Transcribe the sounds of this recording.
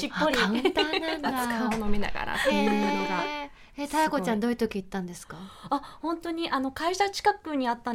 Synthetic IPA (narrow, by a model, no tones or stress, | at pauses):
ipːoɾʲit̪kaonomʲina̰ɡa̰ɾa̰oɾoɡa | et̪ajako̞t͡ɕãnd̪o̞i̟t̪okʲiːt̪ːãnd̪esɨ̥kaahõ̞nt̪o̞ɲ̟iʔano̞kaiɕat͡ɕi̥kakɯɲ̟iat̪ːã